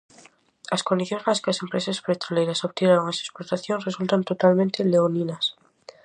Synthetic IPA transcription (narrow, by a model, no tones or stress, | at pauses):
laskond̪iθjo̞nezlaskease̞mpɾesaspet̪ɾolejɾasoβt̪jenaɾoŋese̥spoɾt̪aθjo̞nresult̪ant̪o̞t̪almẽnt̪eleoninas